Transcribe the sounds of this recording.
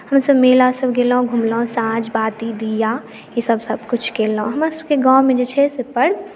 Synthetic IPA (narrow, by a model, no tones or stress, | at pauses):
həmsəbmeːlasəbɡeːlõɡʱumlɔ̃sãːd͡ʒbaːt̪id̪ija | jesəbsəbkʊt͡ʃʰkeːlõɦəmãsəbkeɡãːwmẽd͡ʒet͡ʃʰɛsepəɽ